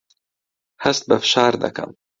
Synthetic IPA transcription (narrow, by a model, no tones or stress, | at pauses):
hɐst̪̚bɐfʃaːɾd̪ɐ̰kɐ̰m